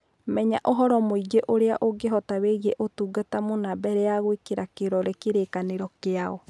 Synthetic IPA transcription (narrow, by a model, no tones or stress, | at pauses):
mɛɲaʔoɦɔɾɔmoid͡ʒeʔoɾeaʔoɡeɦɔtaβeɣɛʔotuːɡatamonabɛɾɛaɣwekeɾakeɾɔɾekeɾekaneɾɔkeaɔ